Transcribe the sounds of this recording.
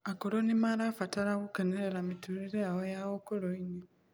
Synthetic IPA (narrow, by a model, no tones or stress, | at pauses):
akoɾonimaɾafataɾaɣukeneɾeɾamituɾiɾeaɣojaɣokoɾoiɲe